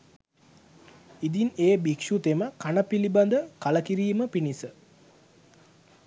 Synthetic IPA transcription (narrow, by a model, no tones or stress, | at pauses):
id̪ineːbikʃut̪eməkanəpiliband̪əkaləkiɾiːməpinisə